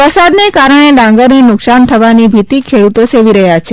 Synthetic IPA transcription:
pəsad̪nekaɾəɳ̃elãŋɡəɾninʊksant̪ʰəʋanibʱit̪ikʰeɽut̪oseʋiɾəɦjat͡ʃʰe

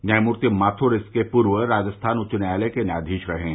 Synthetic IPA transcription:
najmʊɾt̪imaːt̪ʰoɾɪskepuːɾʋəɾaːd͡ʒəst̪ʰaːnʊt͡ʃʊnjaːlekenjaːd̪ʱiːʃɾɐɦẽ

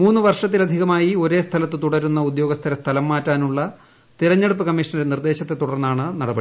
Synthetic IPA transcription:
muːnːɨʋɐrʂɐt̪ːilɐd̪ʱiɣɐmaːjio̞ɾe̞ːst̪ʰɐlɐt̪ːɨt̪uɽɐɾunːɐud̪jo̞ːɡɐst̪ʰɐɾɐst̪ʰɐlɐmːaːtːaːnuɭːɐ | t̪iɾɐɲːe̞ɽupːɨkɐmːiʂɐɳɐɾenird̪e̞ːɕɐt̪ːe̞t̪ːuɽɐrnːaːɳɨnɐɽɐbɐɽ

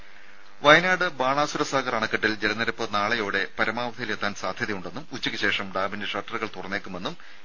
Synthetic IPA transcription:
ʋɐjnaːɽɨbaːɳaːsuɾɐsaːɡɐrɐːɳɐkːɐʈːild͡ʑelɐnɐɾɐpːɨnaːɭɐjoːɽe̞pɐɾɐmaːʋɐd̪ʰʱɐjilet̪ːaːnsaːd̪ʱjɐðɐjuɳɖe̞nːumut͡ɕːɐkʲːɨɕe̞ːʂɐmɖaːbindeʂɐrʈːɐrɣɐɭt̪urɐnːe̞ːkːume̞nːum

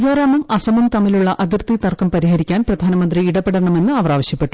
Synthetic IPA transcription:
d͡ʑoːɾaːmɐmʔɐsɐmumt̪ɐmiluɭːɐʔɐðirt̪it̪ɐrkɐmpɐɾiɦɐɾikʲːaːnprɐd̪ʱaːnɐmɐnd̪riiɽɐpːeɽɐɐɳɐme̞nːɨɐʋɐraːʋɐɕjɐpːe̞ʈːu

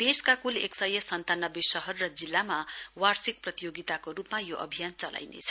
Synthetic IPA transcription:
d̪̥eskakuleksʌjʌsʌnt̪anʌbesʌɦʌrːʌd͡zilːamawarsik̚prʌt̪ijoɡit̪akorupmajoʔʌ̰bʱijant͡sʌla̰jnḛt͡sʰʌ̥

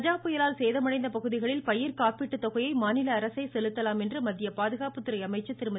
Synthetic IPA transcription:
ɐd͡ʒaːpɯjɐlaːlseːðɐmɐɽɐɪnd̪ɐpɐɣɯðɪɣɐɭɪlpɐjɪɾkaːpɪʈːɯt̪ːɔɣɐjɐɪmaːnɪlɐːɾɐsɐɪsɛlɯt̪ːɐlaːmɛndrɯmɐðːɪjɐpaːðɯɣaːpɯt̪ːɪɾɐɪɐmɐɪt͡ʃːɯt̪ːɪɾɯmɐ

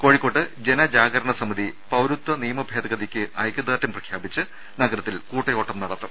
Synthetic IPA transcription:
ko̞ːɻikːo̞ːʈːɨd͡ʑe̞nɐd͡ʑaːɡɐɾɐɳɐsɐmɐd̪ʱipɐwɾut̪ːwɐnijɐmɐbʱe̞ːd̪ɐɡɐd̪ikʲːɨʔɐjkːɐd̪aːtːɐmprɐkʰjaːbit͡ɕːɨ | nɐɡɐɾɐt̪ːilkuːʈːɐjo̞ːʈːɐmnɐɽɐt̪ːum

